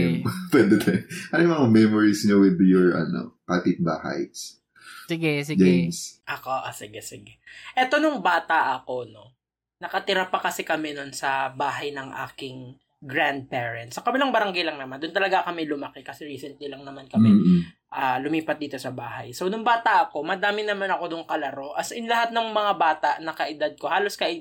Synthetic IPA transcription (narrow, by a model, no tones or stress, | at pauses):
pwɛd̪ɛt̪ʰɐʔɐnojmɐŋamɛmoɹisɲowɪd̪jʊɹɐ̰no̰kaːt̪ɪt̪̚baːha̰jt̪s | sɪɡɛsɪd͡ʒejmsʔɐkoʔosɪɡɛsɪɡɛʔɛt̪o̞nʊŋbaːt̪ɐʔɐko̞no̞ | nɐkɐt̪ɪɾapɐkɐsɪkɐmɛnonsɐbaːɦɐjnɐŋʔa̰ːkɪŋ | ɡɹand̪̚pɛːɹɛnt̪̚sɐkɐbɪlaŋbɐɾɐŋɡajlɐŋnɐmand̪ʊnt̪ɐlɐɡakɐmɛlʊmɐkɛkɐsɛɹiːsɛnt̪lilɐŋnɐmankɐmɛ | ʔɐlʊmiːpɐt̪̚iːt̪o̞sɐbaːhɐ̰jsownʊŋbaːt̪ɐʔɐko̞mɐd̪aːmɪnɐmanɐko̞d̪ʊŋkɐlɐɾo̞ʔɐsɪnlɐhat̪̚nɐŋmɐŋabaːt̪aʔnɐkɐʔɪd̪ad̪̚ko̞haːlo̞skɐʔɪ